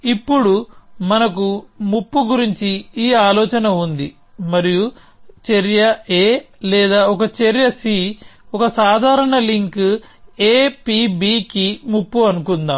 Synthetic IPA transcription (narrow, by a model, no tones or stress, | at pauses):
ipːuɽumɐnɐkumupːuɡuɾiɲt͡ʃiiːaːlɔːt͡ʃɐnɐund̪i | mɐɾiju | t͡ʃeɾjɐeː | lɛːd̪aːɔkɐt͡ʃeɾjɐsi | ɔkɐsaːd̪ʱaːɾɐɳɐliŋk | eːpibiːkimupːuɐnukund̪aːm